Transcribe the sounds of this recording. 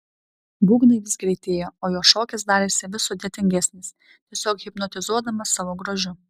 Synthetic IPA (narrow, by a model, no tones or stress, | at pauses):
buːɡnɐɪʋʲɪsɡɾʲɛɪt̪ʲeːjoːoːjoːʃoːkʲɛs̬d̪ɑːɾʲeːsʲɪʋʲɪsʊd̪ʲeːt̪ʲɪŋʲɡʲæsʲnʲɪs | t̪ʲiɛsʲoːkɣʲɪpnɔt̪ʲɪzuɔd̪ɐmɐsɑːʋoːɡɾoːʒʲʊ